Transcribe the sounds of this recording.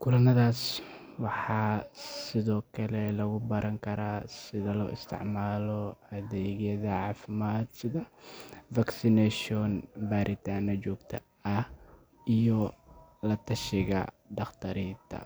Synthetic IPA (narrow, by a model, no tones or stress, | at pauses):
kʰʊlɐnɐðaːs | wɑħɑːsɪðɔːkʰɐlɛlɐɣʊbɐɾʔɐŋkʰɐɾaːsɪðɐlɔːʔɪst̪ʰɪ̰ʕmaːlɔɐðɛːɣjɐðɐʕɑːfɪmaːd̪sɪðɐfaksɪnɛʃɔnbaːɾʔɪt̪ʰaːnɐt͡ʃɔːɡt̪ʰɐ | ɐh | ijɔ | lɐt̪ʰɐʃɪɣɐ̰ | d̪ɑχt̪ʰɐɾiːt̪ʰɐ̰